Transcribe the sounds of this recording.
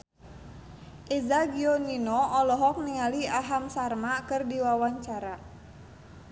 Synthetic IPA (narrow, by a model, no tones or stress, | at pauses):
ʔezaɡioninɔʔɔlɔɦɔk̚niŋaliaɦamsarmakɨrdiwawaɲt͡ʃaɾa